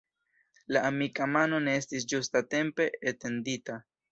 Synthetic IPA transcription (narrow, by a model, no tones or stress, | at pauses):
laʔːmikamano̞ne̞estis̬d͡ʒustate̞mpe̞ːtendita